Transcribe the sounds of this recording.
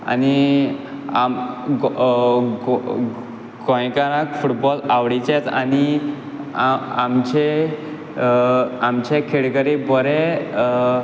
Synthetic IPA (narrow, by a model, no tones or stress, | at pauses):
a̰ni | amɡ | ɡ | ɡɔ̃jkaɾãkfuʈbɔlaʋɽit͡ɕet͡sa̰ni | aamt͡ɕe | amt͡ɕekʰeɽkəɾibɔɾe